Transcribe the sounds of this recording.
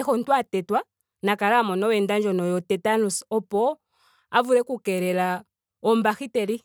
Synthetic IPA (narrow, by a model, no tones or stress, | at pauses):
ɛxɔn̩twatɛtwa | nakaɾamɔnɔwɛndand͡ʒɔnɔjɔtɛtanusɔpɔ | avuɾɛkukɛɾɛla | ɔmbaxitɛɾi